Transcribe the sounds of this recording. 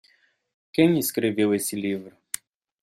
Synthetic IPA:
kẽj̃ɪskɾevewesɪlivɾʊ

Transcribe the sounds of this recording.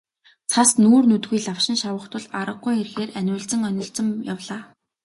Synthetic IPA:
t͡sʰasnuːrnut̪ɣujɮawʃɪ̆nʃawə̆χt̪ʰʊ̆ɮaɾə̆ɢujxerxeːrænʲʊːɮt͡sɘ̆ŋœnʲɪ̆ɮt͡sə̆mjawɮaː

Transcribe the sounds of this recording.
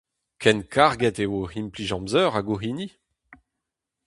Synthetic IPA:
kʰɛnkʰaʁɡɛt̪ewohinpliʒɑ̃mzœːʁaɡoɦini

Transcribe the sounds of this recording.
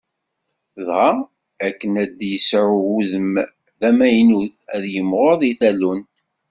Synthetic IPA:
ðʁa | ækːənæd̪jəsʕʊuðəm | ðæmæjnuðæðjəmːʁoðˤiθælunt

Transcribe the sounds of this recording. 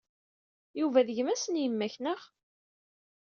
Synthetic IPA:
juvæðəʝəmæsənjəmːæçnəʁ

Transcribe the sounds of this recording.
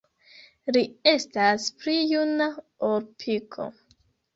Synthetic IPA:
lie̞stasplijuna | oɾpʰikʰo̞̰

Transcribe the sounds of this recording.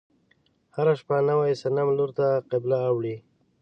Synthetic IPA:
haɾaʃpanawajsanamloɾt̪aqɪblaːwɽi

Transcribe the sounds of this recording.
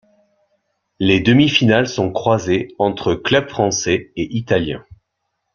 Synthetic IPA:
led̪əmifinalsɔ̃kχwazeɑ̃t̪χəklœb̥fχɑ̃sɛeʔit̪aljɛ̰̃

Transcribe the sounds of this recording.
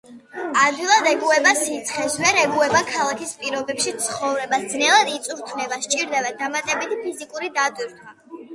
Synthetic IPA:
ad̪ilˠad̪ɛkʼuɛbasit̪sʰχɛsvɛɾɛɡuɛbakʰalˠakʰispʼiɾɔbɛpʃit̪sʰχɔvɾɛbasd̪znɛlˠad̪it̪sʼuɾt̪ʰvnɛbast͡ʃʼiɾd̪abad̪amat̪ʼɛbit̪ʰipʰizikʼuɾid̪ad̪wiɾt̪ʰwa

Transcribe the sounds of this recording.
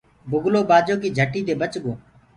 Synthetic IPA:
bʊɡloːbaːd͡ʒoːkiːd͡ʒʱəʈːiːd̪eːbət͡ʃɡoː

